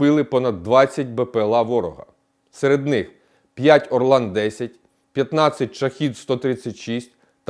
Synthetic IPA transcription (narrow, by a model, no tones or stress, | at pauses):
ɪlˠɪpɔnɐd̪ːʋɑt͡sʲːɐt̚ʲbepelˠɑʋɔɾɔɦɐ̰ | seɾed̪nɪx | pʲjatʲɔrlˠɑnd̪d̪ɛsʲɐt̚ʲ | pʲjɐt̪nɑt͡sʲːɐt̚ʲt͡ʃɐxʲid̪st̪ɔt̪ɾɪt͡sʲːɐtʲʃisʲtʲ | t̪